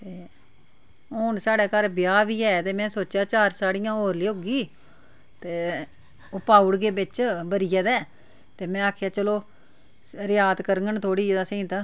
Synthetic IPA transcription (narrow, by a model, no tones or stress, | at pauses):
t̪eː | ɦoːnsaːɽɛːkəɾbjaːʋiːɛːt̪eːmɛ̃ːsoːt͡ʃjaːt͡ʃaːɾsaːɽɪjãːɦoːɾliːɦoːɡiː | t̪eː | ʊpaːuɽɡeːbɪt͡ʃbəɾɪjɛːd̪ɛː | t̪eːmɛ̃ːaːkʰjaːt͡ʃəloː | ɾɪjaːd̪kəɾŋɡənt̪ʰoːɽiːd̪aːsə̃ĩːt̪aː